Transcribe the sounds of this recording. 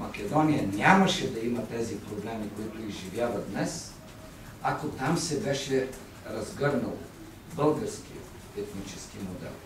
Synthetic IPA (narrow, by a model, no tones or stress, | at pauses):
mɐkʲɛd̪ɔnijənʲamɐʃɛd̪ɐimɐt̪ɛzipɾoblɛmikoit̪oiʒivʲjavɐd̪nɛs | akot̪amsɛbɛʃɛ | ɾɐzɡɤɾnɐlˠo̰ | bɤlˠɡəɾsk̟ijə̰ | ɛt̪nit͡ʃɛskimod̪ɛ̰lˠ